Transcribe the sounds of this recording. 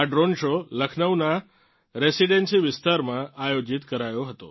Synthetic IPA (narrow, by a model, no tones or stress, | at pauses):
aɖɾonʃoləkʰnəʋna | ɾesiɖensiʋɪst̪aɾmãajod͡ʒit̪kəɾajoɦət̪o̰